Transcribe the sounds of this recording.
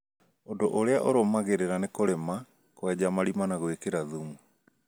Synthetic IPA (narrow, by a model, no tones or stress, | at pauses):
odoʔoɾeaʔoɾomaɣeɾeɾanekoɾema | kwɛd͡ʑamaɾimanaɣwekeɾaðumu